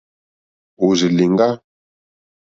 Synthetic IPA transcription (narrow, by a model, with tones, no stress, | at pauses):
u˨zi˨li˨ŋɡa˦